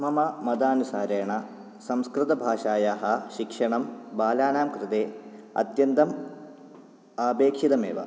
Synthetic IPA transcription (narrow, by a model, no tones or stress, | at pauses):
mɐmɐmɐd̪aːnusaːɾeːɳɐ | sɐmskɾɪt̪ɐbʱaːʂaːjaːɦɐʃikʂɐɳɐmbaːlaːnaːmkɾɪt̪eːɐ̰t̪jɐnd̪ɐm | aːbeːkʂid̪ɐmḛːʋɐ̰